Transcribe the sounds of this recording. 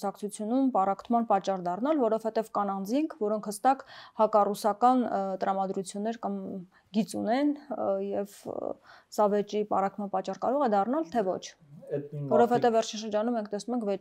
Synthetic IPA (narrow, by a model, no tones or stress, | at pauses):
usɑkʰt͡sʰut͡sʰjunumpɑrɑkʰt̪ʰmɑnpɑt͡ʃːɑrd̪ɑrnɑlvɔɾɔvhɛt̪ɛvkɑnɑnd͡ziŋkʰvɔɾɔŋkʰhəst̪ɑkhɑkɑrusɑkɑnt̪əɾɑmɑd̪ɾut͡sʰjunːɛɾkɑm | ɡit͡sunɛnjɛv | sɑvɛt͡ʃipɑ̰rɑkt̪ʰmɑnpɑt͡ʃːɑrkɑɾɔʁɛd̪ɑrnɑlt̪ʰɛvɔ̰t͡ʃʰ | vɔɾɔvhɛt̪ɛvːɛɾt͡ʃʰinʃəɾd͡ʒɑnumːɛŋkʰt̪ɛsnumɛŋkʰvɛt͡ʃ